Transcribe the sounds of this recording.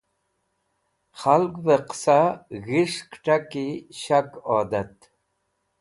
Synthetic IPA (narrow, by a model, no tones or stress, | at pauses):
xalɡvəqsaɣiʂkʈakiɕakɔːd̪at̪